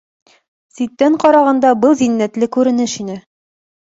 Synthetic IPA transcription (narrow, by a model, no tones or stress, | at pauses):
sit̪ːæɴqɒɾɑʁɑnd̪ɑbɤlˠzinːæt̪lɘkʉɾɘ̆nɘʃinɘ